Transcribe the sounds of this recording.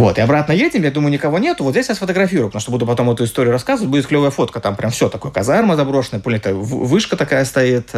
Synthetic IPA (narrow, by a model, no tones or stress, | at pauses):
vo̞t̪ɨɐbɾat̪nəjedʲɪmjad̪uməjʊnʲɪkɐvo̞nʲet̪ʊvot̪zʲesjɕasfət̪əɡɾɐfʲiɾʊjpt̪ɐmuʂt̪obud̪ʊpɐt̪o̞mɛt̪ʊɪst̪o̞ɾʲɪjʊɾɐskazəvətʲbudʲɪt̪klʲovəjəfo̞t̪̚kət̪ampɾʲʔamfsʲo̞t̪ɐkojəkɐzarməzɐbɾoʂənəjəpolʲnʲɪt̪ə̰vɨʂkət̪ɐkajəst̪ɐit̪